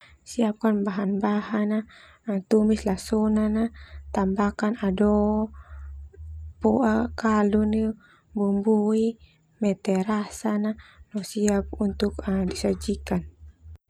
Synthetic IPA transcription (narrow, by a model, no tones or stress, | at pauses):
siap̚kanbaɦanbaɦana | at̪umislasɔnanat̪ambakanadɔ | puʔakaluni | bumbui | mɛt̪ɛɾasananɔsiap̚unt̪ukadisad͡ʒikan